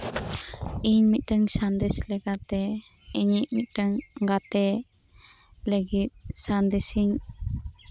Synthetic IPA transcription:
iɲmit̪̚ˀʈəŋsand̪ɛslɛkat̪ɛ | iɲiʔ̚mit̪̚ˀʈəŋɡat̪ɛ | ləɡit̪̚sand̪ɛsiɲ

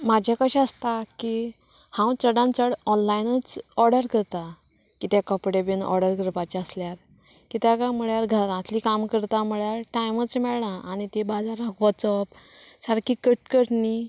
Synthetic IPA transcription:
mad͡ʑʱjakəɕaəst̪aki | hãwt͡səɽãnt͡səɽɔnlainət͡sɔɾɖəɾkəɾt̪a | kit̪jakəpɽebinʔɔ̰ɾɖəɾɡʱəɾpat͡ɕəsljaɾ | kit̪jakam̤əɭjaɾɡʱəɾãt̪likamkəɾt̪am̤əɭjaɾʈajmət͡smɛɭɳaʔañit̪ebad͡zaɾəkʰʋɔt͡sɔpsaɾkikəʈ̚kəʈni

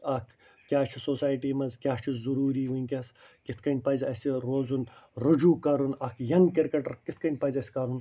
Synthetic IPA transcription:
ɐkʰ | kʲaːt͡ʃʰisoːsaːjʈiːmɐzkʲjaːt͡ʃʰizuɾuːɾiːʋuikʲɐskit̪ʰkɐnʲpɐzʲɐsiɾoːzunɾud͡ʒuːkɐɾunɐkʰjɐŋɡkɐɾkɐʈɐɾkit̪̚ʰkɐnʲpɐzʲɐsʲkɐɾun

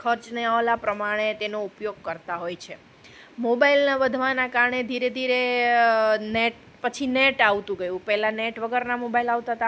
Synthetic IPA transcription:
kʰəɾt͡ʃneaʋlapɾəmaɽ̃et̪enoupjoɡ̚kəɾt̪aɦojt͡ʃʰe | mobailnaʋəd̪ʱʋanakaɾɳed̪ʱiɾed̪ʱiɾe | neʈ | pət͡ʃʰineʈaʋt̪ũɡəjũpɛɦɛlanɛʈʋəɡəɾnamobailaʋt̪at̪a

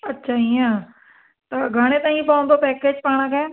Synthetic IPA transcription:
ɐtːʃʰaijãː | t̪ɐɡʱaɽ̃et̪ãːĩpaːnt̪opɛːkeːd͡ʒpaːɽ̃ãkʰɛ

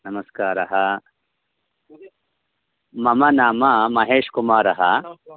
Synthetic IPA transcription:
nɐmɐskaːɾɐɦɐ | mɐmɐnaːmɐmɐɦeːʂkumaːɾɐɦɐ̰

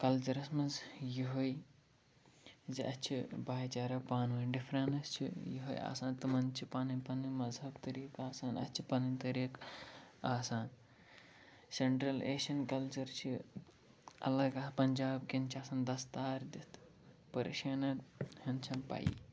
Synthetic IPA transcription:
kɐlt͡ʃɐɾɐsmɐnzjiɦoj | ziʔɐt͡ʃʰibaːjt͡ʃaːɾɐpaːnʋɐnɖifʰɾɐnɐst͡ʃʰḭjiɦoja̰ːsãːnt̪ɨmɐnt͡ʃʰipaːnipɐnimɐzɦɐbt̪ɐɾiːkaːsaːnɐ̰t͡ʃʰi̥pɐnint̪ɐɾiːk | aːsaːn | seɳʈɾɐlḛːʃɐnkɐlt͡ʃɐɾt͡ʃʰi | ɐ̰lɐɡaːpɐnd͡ʒaːbkint͡ʃʰiaːsaːnd̪ɐst̪aːɾd̪it̪ʰ | pɐɾḭʃɐːnɐhɐnt͡ʃʰɐnpa̰jḭ

